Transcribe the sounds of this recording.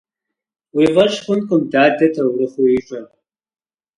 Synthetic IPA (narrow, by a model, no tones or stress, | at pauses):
wiːʁɐʃχʷʊnkʷʼʊmdaːdɐtʰɐwrɨχʷujɪɕʷʼɐr